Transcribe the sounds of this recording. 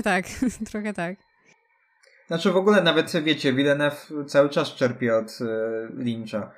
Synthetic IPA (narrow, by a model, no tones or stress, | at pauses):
t̪akt̪ɾɔxɛt̪ak | nat͡ʂɘvɔɡulɛnavɛt̪vʲjet͡ɕɛvʲilɛnɛft̪sawɘt͡ʂast͡ʂɛɾpʲjɛɔt̪lʲint͡ʂa